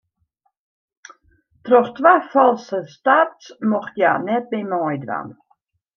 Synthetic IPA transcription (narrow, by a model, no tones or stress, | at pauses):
trɔxtʋaːfɔlˠsəstarsmɔxtjaːnɛt̚bemɔjdʋa̰n